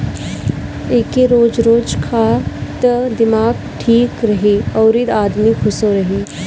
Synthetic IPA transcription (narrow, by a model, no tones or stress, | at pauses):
eːkeɾoːd͡ʒɾoːd͡ʒkʰat̪əd̪ɪmaːɡʈʰiːkɾɐɦiɐːɾid̪aːd̪mikʰʊsoɾɐɦiː